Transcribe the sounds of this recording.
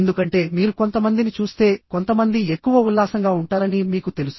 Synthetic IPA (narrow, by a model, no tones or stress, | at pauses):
end̪ukɐɳʈe̞ːmiːɾuko̞nt̪ɐmɐnd̪init͡ʃuːst̪e̞ːko̞nt̪ɐmɐnd̪iekːuʋɐulːaːsɐŋɡaːuɳʈaːɾɐnimiːkut̪e̞lusu